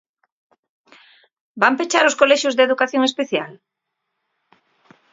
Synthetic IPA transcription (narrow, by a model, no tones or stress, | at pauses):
bampet͡ʃaɾoskolɛʃjʊzðeðukaθjoŋespeθja̰l